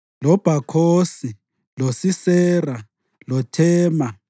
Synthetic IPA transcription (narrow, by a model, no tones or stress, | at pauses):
lɔb̥ʱakʰoːsi | losisɛːra | lɔtʰɛːma